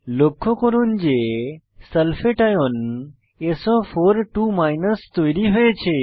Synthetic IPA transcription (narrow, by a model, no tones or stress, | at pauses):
lokʰokəɾund͡ʒe | səlfeʈajon | esofoɾʈumainəst̪ojɾiɦojet͡ʃʰe